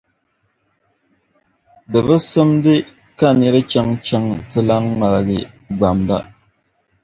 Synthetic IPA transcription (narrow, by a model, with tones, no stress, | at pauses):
dɨ˨βɨ˦sɨ˦mdɨ˦ | ka˦˨nɛ˨˦ɾɨ˦t͡ʃa˦ŋt͡ʃa˦ŋtɨ˦la˦ŋːa˨lɡɪ̰˨ | ɡ͡ba˨mda̰˦